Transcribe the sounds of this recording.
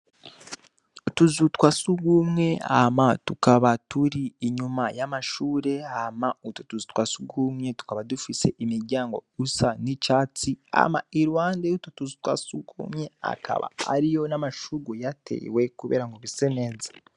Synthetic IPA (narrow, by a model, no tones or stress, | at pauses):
utuzutwasuɡumŋe̞a̰matukaβatuɾiːɲumajamaʃuːɾe̞amautotuzutwasuɡumŋe̞tu̥kaβadufise̞ʔimiɾɟaːŋɡo̞̰usanit͡ʃaːt͡sia̰maiɾwaːndeutotuzutwa̰suɡṵmŋe̞a̰ka̰βa̰a̰ɾijo̞namaʃuɡojatʰe̞̰ːwe̞kuβe̞̰ːɾaŋɡoβiseneːzḁ